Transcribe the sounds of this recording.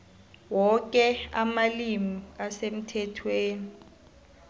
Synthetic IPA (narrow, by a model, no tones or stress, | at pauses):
wɔk̬ʼɛamalimiasem̩tʰɛtʰweːni